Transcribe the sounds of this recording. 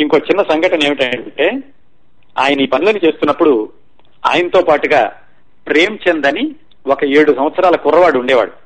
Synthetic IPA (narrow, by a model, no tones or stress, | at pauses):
iŋko̞ːt͡ʃinːɐsɐŋɡɐʈɐne̞ːmiʈɐɳʈe̞ː | aːjɐnɐiːpɐniloːnːit͡ʃe̞ːst̪unːɐpːuɽu | a̰ːjɐnɐt̪o̞ːpaːʈuɡaː | pɾe̞ːmt͡ʃend̪ɐni | ɔkɐeːɽusɐm̃ʋɐt̪sɐɾaːlɐkurːɐʋaːɽuɳɖɛːʋa̰ːɽu